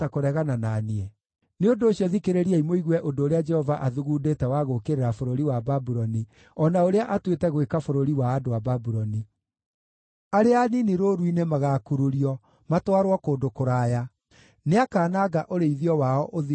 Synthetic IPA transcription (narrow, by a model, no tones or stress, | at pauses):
akoɾɛɣanananiɛ | neondoːɕijɔðikeɾeɾiɛimoiɣwɛʔondoːɾead͡ʒɛhɔvaʔaðuɣuːdetɛwaɣokeɾeɾafoɾoɾiwababuɾɔni | ɔnaoɾeaʔatwetɛɣwekafoɾoɾiwaːdoababuɾɔni | aɾeaniniɾoɾuinemaɣaːkuɾuɾiɔ | matwaɾwɔkoːdokoɾaːja | neakaːnaːɡaʔoɾeiðiɔwaɔʔoði